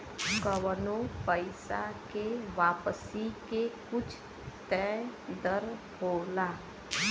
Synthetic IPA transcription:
kəʋənopəɪsa̰keʋaːpəsikekʊt͡ʃʰ | t̪ɛ̃d̪əɾ | hoːlaː

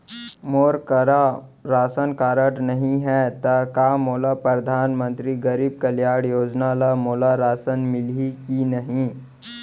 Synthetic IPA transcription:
moːɾkɐɾa | ɾaːsənkaːɾəʈnɐɦĩɦɛt̪ɐkaːmoːlapɾɐd̪ʱaːnmə̃nt̪ɾiɡɐɾiːb̚kɐljaːɽjoːd͡ʒnalamoːlaɾaːsənmɪlikinɐɦĩ

